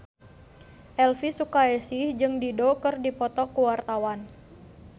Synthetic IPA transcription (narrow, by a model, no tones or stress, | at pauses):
ʔɛlfisukaɛsihd͡ʒɨŋdidokɨrdipɔt̪ɔkuwart̪awan